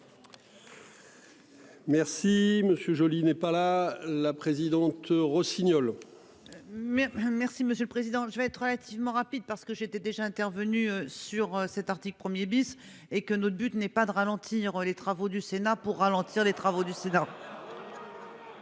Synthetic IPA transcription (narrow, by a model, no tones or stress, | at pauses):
mɛʁsiməsjøʒɔlinɛpalalapχezid̪ɑ̃t̪ʁɔsinjɔl | mɛmɛʁsiməsjøləpχezid̪ɑ̃ʒəvɛɛt̪χʁəlat̪ʰivmɑ̃ʁapid̪̚paʁsə̥kəʒet̪ɛd̪eʒaɛ̃t̪ɛʁvənyøsyʁøsɛt̪aʁt̪iklpχəmjebis | ekənɔt̪χbyt̪nɛpad̪əʁalɑ̃t̪ʰiʁølet̪χavod̪ysenapuʁːalɑ̃t̪ʰiʁlet̪χavod̪ysena